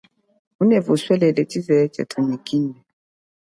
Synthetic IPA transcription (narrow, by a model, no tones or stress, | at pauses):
unɛvuswɛlɛlɛtizɛt͡ʃɛ̰tʰunikinɛ